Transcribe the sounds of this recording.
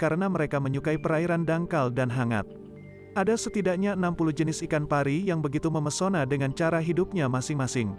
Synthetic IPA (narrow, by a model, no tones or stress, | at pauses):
kaɾənaməɾekaməɲukaipəɾaiɾandaŋkaldanɦaŋa̰t̪̚ | ʔadasət̪idakɲaənampuluhd͡ʒənɪsikanpaɾijaŋbəɡit̪uməməsonadəŋant͡ʃaɾaɦidup̚ɲamasɪŋmasɪŋ